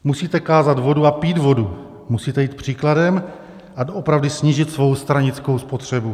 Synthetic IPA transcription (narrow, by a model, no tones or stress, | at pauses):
musiːt̪ɛkaːzad̪vo̞duapiːd̪vo̞du | musiːt̪ɛjiːt̪̚pr̝̥iːkladɛm | ʔadoʔopɾavdɪsɲiːʒɪt̪svo̞wst̪ɾaɲɪt͡sko̞wspo̞t̪r̝̥ɛbu